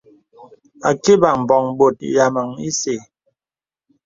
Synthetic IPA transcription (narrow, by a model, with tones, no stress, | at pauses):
a˨ke˦ba˨m̩˨bɔ˨ŋbo˨t̚ḭ˨ja˨ma˨ŋi˦se˨